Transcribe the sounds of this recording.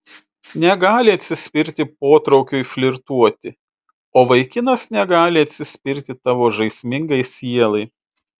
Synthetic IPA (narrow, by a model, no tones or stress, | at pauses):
nʲɛɡɑːlʲɪɐt̪ʲsʲɪsʲpʲɪɾʲt̪ʲɪp̚oːt̪ɾɒʊkʲuːifʲlʲɪɾt̪uɔt̪ʲɪ | oːʋɐɪkʲɪnɐsnʲɛɡɑːlʲɪɐt̪ʲsʲɪsʲpʲɪɾʲt̪ʲɪt̪ɑːʋoːʒɐɪsʲmʲɪŋɡɐɪsʲiɛlˠɐɪ